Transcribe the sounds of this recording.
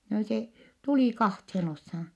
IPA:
no se tuliˑ kɑhthen oshɑn̞

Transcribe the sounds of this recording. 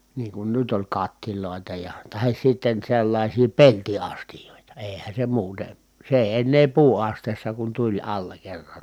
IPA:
niːŋ kun nyt olʲ kɑtːiloˑi̯tɑ jɑ tɑhis sitːen selːɑisiː peltiɑstijoˑitɑ eˑi̯hæn̞ se muːte se eˑi̯ enːeː puːɑsteːsːɑ kun tulʲ ɑlːɑ kerːɑn

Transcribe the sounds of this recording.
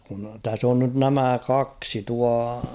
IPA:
kun tæs on nyt næmæˑ kɑksi tuɑ

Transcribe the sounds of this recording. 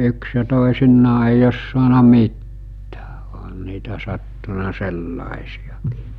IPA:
yks jɑ toˑisinːɑː eij os suɑnɑ mitːæ̥ː o̥ɦɑn niːtæ sɑtːunɑ selːɑˑesijɑki̥ˑ

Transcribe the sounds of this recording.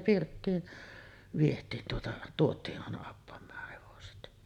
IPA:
pirtːiːn ʋietˑiːn tuotɑ tuotˑiːʔ ʔɑˑenɑ ɑpːɑmˑɑːh heʋoset

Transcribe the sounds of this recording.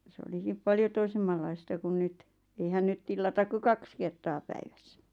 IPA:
sĕ olikip pɑljo toisemːɑlːɑistɑ kun nyt eihæn nyt tilːɑtɑk ku kɑks kertɑː pæiʋæsːæ

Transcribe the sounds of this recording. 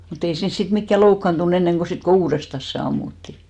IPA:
mut ei siːns sit mikːæ loukːɑntun enːeŋɡ̊o sit ko uːrestɑs se ɑmːutːi

